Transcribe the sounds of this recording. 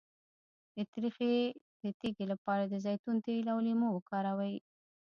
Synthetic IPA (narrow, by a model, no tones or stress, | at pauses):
d̪̥ət̪ɾixed̪̥ət̪eɡelapɑɾad̪əzɑjt̪unt̪elawlimowəkɑɾawaj